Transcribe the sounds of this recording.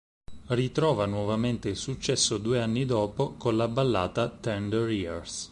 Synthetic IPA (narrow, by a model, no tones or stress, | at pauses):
rit̪ɾɔːvanwɔvament̪eilsut͡ʃːɛsːod̪uːeanːid̪ɔːpokonlabːalːa̰ːt̪at̪ɛnd̪ɛɾirs